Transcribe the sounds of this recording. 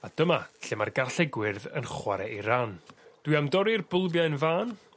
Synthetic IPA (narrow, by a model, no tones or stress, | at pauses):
ad̥əmaɬɪmarɡarɬɛɡwɪrðə̰nχwaɾɛiɾaːnd̥wiamdɔɾirbʊlˠbjaɨnvaːn